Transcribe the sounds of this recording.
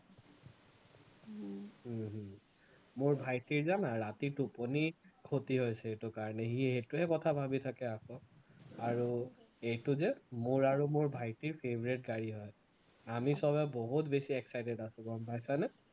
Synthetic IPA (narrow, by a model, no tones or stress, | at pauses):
mʊɹbʱajtiɹzanaɹatiɹtuponikʰotiɦojsɛetʊkaɹɔnɛɦiɦetʊɦɛkɔtʰabʱabitʰakɛakɔaɹu | ejtʊzɛmʊɹaɹumʊɹbʱajtiɹpʰebɔɹit̚ɡaɹiɦɔj | amisɔbɛboɦutbesiɛksajdɛdasʊ̃kɔɔmpajsanɛ